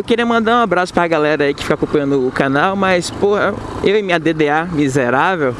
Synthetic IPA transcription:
ewkeɾiɐmɐ̃nd̪aɾũabɾasʊ̥pɾɐɡalɛɾɐaikɪ̥fi̥kakõpɐ̃jɐ̃nd̪ʊːkanawmɐspohɐ | ewẽmĩɲɐd̪ed̪eamizeɾavew

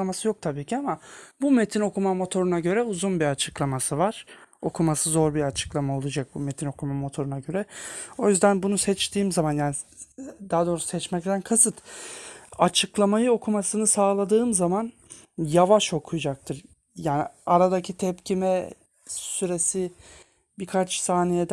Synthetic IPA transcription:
masɯjo̞k̚t̪ʰabiːcʰiamabume̞t̪ʰino̞kʰumamo̞t̪ʰo̞ɾunaɟø̞ɾɛuzunbiat͡ʃʰɯklˠamasɯvaɾ̥o̞kʰumasɯzo̞ɾbiɾat͡ʃʰɯ̥klˠamao̞lˠud͡ʒak̚bumet̪ʰino̞kʰumamo̞t̪ʰo̞ɾunaɟø̞ɾɛo̞jyzd̪ænbunusɛt͡ʃt̪ʰiːmzamanjaːnid̪aɦad̪o̞ɾusu̥sɛt͡ʃmɛc̚t̪ʰænkʰasɯt̪ | at͡ʃʰɯklˠamajɯo̞kʰumasɯnɯsaːlˠad̪ɯːmzaman | javaʃo̞kʰujud͡ʒak̚t̪ʰɯɾ | jaːniaɾad̪acʰit̪ʰɛpcʰimɛ | syɾesi | bikʰat͡ʃsaːnijed̪

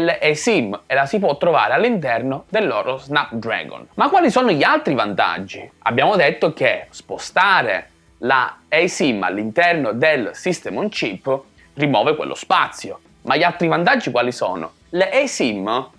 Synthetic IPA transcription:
lɛsimelasip̬wɔt̪ːɾova̰ːɾealːint̪ɛrnod̪elːɔːɾoznap̚d̪ɾɛ̰ɡo̰nmakːwaːlisɔːnoʎialt̪ɾivant̪a̰d͡ʒːia̰bːjaːmod̪et̪ːok̟espost̪aːɾḛ | la̰ejsimːa̰lːint̪ɛrnod̪elsist̪ɛmunt͡ʃipː | rimɔːvekwḛlːo̰spat̪sːjo | maʎːalt̪ɾivant̪ad͡ʒːikwaːlisɔ̰ːno̰ | lesim

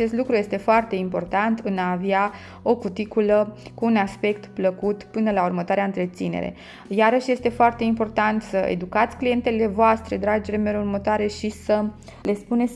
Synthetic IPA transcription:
at͡ʃe̞st̪lukɾuje̞st̪e̞foart̪e̞impo̞rt̪ant̪ɨnaːvea | o̞kut̪ikuləkuːnaspe̞kt̪pləkut̪pɨnəlaurmət̪oaɾeaɨnt̪ɾe̞t̪sinḛɾe̞̰ | jaɾəʃje̞st̪e̞foart̪e̞impo̞rt̪ant̪səḛd̪ukat̪sʲklije̞nt̪e̞le̞voast̪ɾe̞d̪ɾad͡ʒelemeɾurmət̪oaɾe̞ʃisə | le̞spune̞t̪sʲ

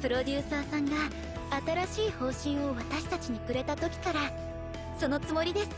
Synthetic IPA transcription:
pɯ̟ɾo̞dʲɨːsaːsãŋɡa | at̪aɾaɕiːho̞ːɕĩɰ̃o̞βat̪aɕi̥t̪at͡ɕiɲ̟ikɯ̟ɾe̞t̪at̪o̞kʲi̥kaɾa | so̞no̞t͡sɨmo̞ɾʲid̪e̞sɨ̥

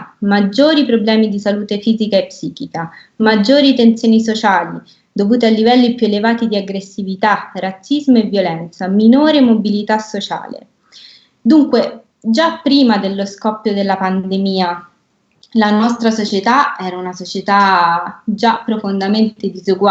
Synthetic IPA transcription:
mad͡ʒːoːɾipɾoblɛːmid̪isaluːt̪efiːzikaepːsiːkika | mad͡ʒːoːɾit̪ent̪sjoːnisot͡ʃaːli | d̪ovuːt̪ealːivɛlːipjuelevaːt̪id̪iaɡɾesːivit̪arat̪sːizmoevːjolɛnt̪saminoːɾemobilit̪asːot͡ʃa̰ːlḛ | d̪uŋkwe | d͡ʒapːɾiːmad̪elːoskɔpːjod̪elːapand̪emiːa | lanɔst̪ɾasot͡ʃet̪aɛːɾaunasot͡ʃet̪a | d͡ʒapːɾofond̪ament̪ed̪izuɡwa

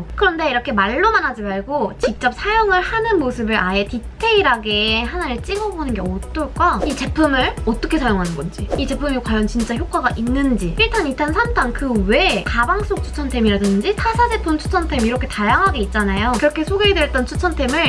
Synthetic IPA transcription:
kɯɾʌnde̞iɾʌkʰe̞maɭːomanad͡ʑimaɭɡot͡ɕik̚t͡ɕ͈ʌp̚sʰajoŋɯɭhanɯnmosʰɯbɯɾʔae̞titʰe̞iɾaɡeɦanaeɭt͡ɕ͈iɡʌbonɯnɡeʌt͈ɯɭk͈ait͡ɕe̞pʰɯmɯɭʌt͈ʌkʰe̞sʰajoŋɦanɯnɡʌnd͡ʑiit͡ɕe̞pʰɯmikwajʌnt͡ɕint͡ɕ͈açjok͈aɡaʔinːɯnd͡ʑiiɭtʰanitʰansʰamdaŋkɯwe̞kabaŋs͈ok̚t͡ɕʰu̥t͡ɕʰʌntʰe̞miɾadɯnd͡ʑitʰasʰad͡ʑe̞pʰumt͡ɕʰu̥t͡ɕʰʌntʰe̞miɾʌkʰe̞tajaŋɦaɡe̞it̚t͡ɕ͈anajokɯɾʌkʰe̞sʰoɡedweɭt͈ʌnt͡ɕʰu̥t͡ɕʰʌntʰe̞mɯɭ

